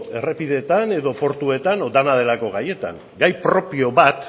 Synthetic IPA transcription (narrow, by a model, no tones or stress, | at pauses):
e̞re̞piðe̞t̪ane̞ðo̞po̞ɾt̪ue̞t̪anod̪anað̞e̞lako̞ɣaje̞t̪a̰ŋ | ɡajpɾo̞pio̞βat̪